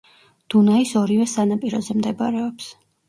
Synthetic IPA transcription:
d̪̥unaisɔɾivɛsanapʼiɾɔzɛmd̪ɛba̰ɾɛɔps

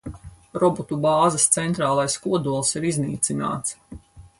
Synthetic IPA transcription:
ɾɔbɔt̪ubaːzɐst̪sɛnt̪ɾaːlˠajskuɔd̪uɔlˠsiɾizniːt̪sina̰ːt̪s

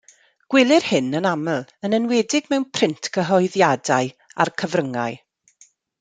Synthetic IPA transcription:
ɡ̥wɪlˠɪrhɪnənaməlˠənənwɛdɪɡmɛwnpʰrɪntʰɡəɦɔɨðjadaɨa̰rkʰəvrəŋa̰ɨ

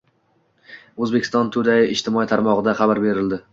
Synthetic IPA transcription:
ɵzbekʲʰɪst̪ɒnt̪ʰʊd̪ajɪʔɪʃt̪ʰɪmɒit̪ʰaɾmɒʁɨd̪aχɑbaɾbe̞ɾɪld̪ɪ

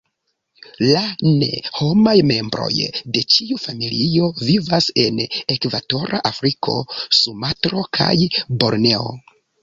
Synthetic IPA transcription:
lane̞ho̞majme̞mbɾo̞̰jde̞t͡ʃiufamilio̞vivase̞ne̞kvato̞ɾʔaʔafɾikʰo̞̰sumatɾo̞kʰa̰jbo̞ɾne̞o̰

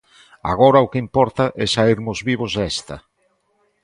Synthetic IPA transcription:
a̰ɣɔɾaʊkeimpɔɾt̪aʔɛsaiɾmʊzβiβ̞ozðɛst̪ɐ

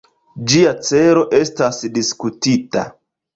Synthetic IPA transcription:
d͡ʒiat͡se̞ɾo̞ʔe̞stasdiskutita̰

